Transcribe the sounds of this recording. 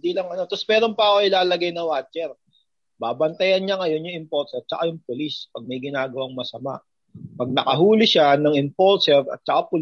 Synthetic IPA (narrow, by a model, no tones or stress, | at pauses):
d̪iːlɐŋɐno̞t̪osmɛːɾo̞mpaoʔɪlaːlɐɡajnɐwaːt͡ʃɛɾ | baːbɐnt̪ɐjɐnɲaŋɐjo̞njʊŋɪmpols̚t͡ʃɐkajʊŋpʊlispɐɡ̚mɐjɡɪnaːɡɐwaŋmɐsɐma̰ʔ | pɐɡ̚nɐkɐɦuːlɪʃanɐŋɪmpolsɛɾɐ̰t̪̚t͡ʃɐkapʊl